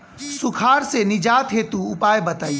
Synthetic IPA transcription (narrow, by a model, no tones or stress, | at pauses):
sʊkʰaːɾsenɪd͡ʒaːt̪ɦeːt̪uʊpaːjbɐt̪aːi